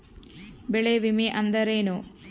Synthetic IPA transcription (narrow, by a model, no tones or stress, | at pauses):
beɭeʋimiʔɐnd̪ɐɾeːnoː